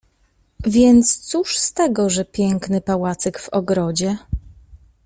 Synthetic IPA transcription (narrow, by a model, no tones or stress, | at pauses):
vʲjɛnt̪st̪suʂst̪ɛɡɔʐɛpʲjɛŋknɘpawat̪sɛkvɔɡɾɔd͡ʑɛ